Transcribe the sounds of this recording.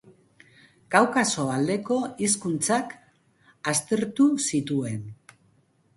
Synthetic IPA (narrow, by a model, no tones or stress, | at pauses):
ɡ̥awkaso̞ald̪e̞ko̞iskunt͡sak | ast̪e̞ɾt̪usit̪ue̞n